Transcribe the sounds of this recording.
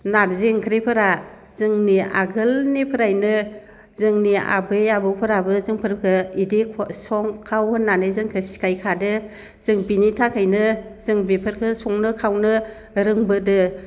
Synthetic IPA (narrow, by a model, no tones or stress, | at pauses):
naɾzeŋkʰɯɾepʰɯɾa | z̥ɯŋnia̰ɡɯlnipʰɯɾajnɯ | zɯŋnia̰bɯjabɯwpʰɯɾabɯzɯŋpʰɯɾkʰɯidikʰsɔŋkʰawhɯnːanɯzɯŋkʰɯsi̥kajkʰadɯ | z̥ɯŋbinitʰakʰajnɯzɯŋbepʰɯɾkʰɯsɔŋnɯkʰawnɯ | ɾɯŋbɯdɯ